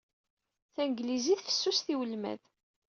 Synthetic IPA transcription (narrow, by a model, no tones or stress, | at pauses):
θænɡliziθfə̥sːusθiwəlmæ̰ð